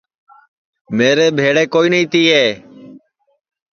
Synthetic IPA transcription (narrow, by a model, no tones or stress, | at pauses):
meːɾeːbʱeːɽeːkoːiːnəiːt̪iːeː